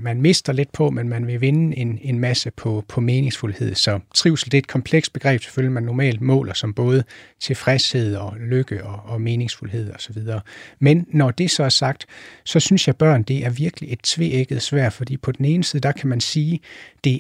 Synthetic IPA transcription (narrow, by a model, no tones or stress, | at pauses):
mænme̝sd̥ɐle̝d̥̚pʰɒ̽menmænʋe̝ʋe̝nəe̝ne̝nmæsəpʰɒ̽pʰɒ̽me̝ːne̝ŋsfulhe̝ð̰ˠsɒ̽t͡sʰʁiʊ̰sl̩d̥e̝ɐed̥̚kʰɒ̽mpʰleɡ̥sd̚b̥e̝ɡ̥ʁɛ̰ːb̥se̥føljɐmænːɒmɛ̰ːld̥mɔ̰̽ːlɐsɒ̽mb̥ɔ̽ːð̞ˠət͡sʰe̝fʁɛshe̝ð̞̰ˠɒ̽løɡ̥əʔɒ̽ːme̝ːne̝ŋsfulhe̝ð̰ˠɒ̽sɒ̽ʋið̞ˠɐːmenːɒd̥e̝sɒ̽æɐsɑ̈ɡ̥̚d̥sɒ̽synsjɑ̈ɪb̥ɶɐ̰nd̥e̝ʔæɐʋiɐɡ̥əlie̝d̥̚t͡sʰʋe̝̰eɡ̥əð̩ˠsʋæɐ̰d̥fɒ̽d̥ḭːpʰɒ̽d̥ene̝ːnəsiðˠd̥ɑ̈kʰæmænsiːd̥e̝